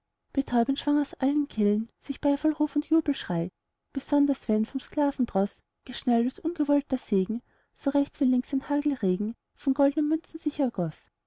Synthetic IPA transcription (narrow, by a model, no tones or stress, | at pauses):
b̥ətʰɔʏbənʃv̥aŋaʊsʔalənkʰɛlənsɪçb̥aɪfalʁuːfʊntjuːbl̩ʃʁ̥aɪ | b̥əzɔndɐsv̥ɛnfɔmskl̥aːvn̩d̥ʁɔs | ɡ̥əʃnɛldɔsʔʊnɡəvɔltɐseːɡŋ̩ | soʁɛçt͡sv̥iːlɪŋksɪnhaːɡl̩ʁeːɡŋ̩ | fɔnɡɔldənəmʏnt͡sn̩zɪçɛɐɡ̥ɔs